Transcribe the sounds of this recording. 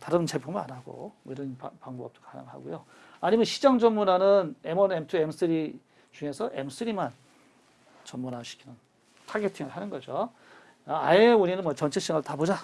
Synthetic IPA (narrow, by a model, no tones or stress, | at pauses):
taɾɯnt͡ɕepʰomɯna̰naɡo̰mʌiɾʌnapaŋboʌpt͈akkana̰ŋɯɭa̰ɡojo | aɲimjʌnɕʰid͡ʑaŋd͡ʑʌnmmunanɯnemʌnemtʰɯems͈ʰɯɾi | t͡ɕuŋe̞sʰʌʔems͈ʰɯɾiman | t͡ɕʌmmunaɕʰi̥kʰinɯn | tʰaɡe̞tʰiŋɯɭhanɯnɡʌd͡ʑo | a̰euɲinɯnmwʌt͡ɕʌnt͡ɕʰeɕ͈iŋɯɭtabod͡ʑa